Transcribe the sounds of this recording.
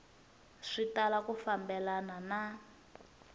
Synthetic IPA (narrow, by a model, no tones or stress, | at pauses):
ʂitalakufambɛlanana